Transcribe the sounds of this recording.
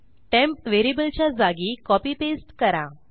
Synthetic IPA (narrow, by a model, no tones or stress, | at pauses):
ʈɛ̃mpʋeɾibəlt͡ɕjad͡zaɡiːkɔpiːpesʈkəɾã̰